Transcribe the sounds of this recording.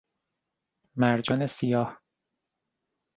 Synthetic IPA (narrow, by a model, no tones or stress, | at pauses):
mæɾd͡ʒɒːnesijɒːh